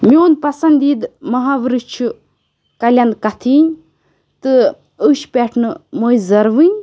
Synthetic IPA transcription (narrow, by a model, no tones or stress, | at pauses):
miond̪pɐsɐnd̪iːd̪mɐɦaʋɾɨt͡ʃʰu | kɐlʲɐnd̪kɐt̪ʰiːnʲ | t̪ɨ | əʃpʲeʈʰnɨmojzɐɾʋɨnʲ